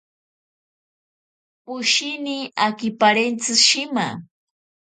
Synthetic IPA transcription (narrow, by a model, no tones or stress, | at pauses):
pʊʃɪniakɪpaɾent͡sɨʃɪma̰